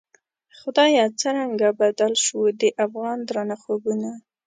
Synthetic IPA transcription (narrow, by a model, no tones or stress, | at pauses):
xʊd̪ɑjɑt͡səɾaŋɡabad̪alʃud̪əʔafɣɑnd̪ɾanaxobuna